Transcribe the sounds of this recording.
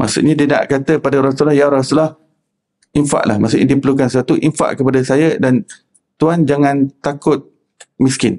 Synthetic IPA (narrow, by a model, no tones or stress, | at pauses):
ma̰sṵʔɲadiəna̰ʔkat̪əpadəɾɔsulɔhjaɾɔsulah | infa̰ʔlahmasuʔɲadipəɾlukansat̪uʔiɱfa̰ʔkəpadasajədan | t̪uand͡ʒaŋãnt̪akʊt̪̚ | miskɪn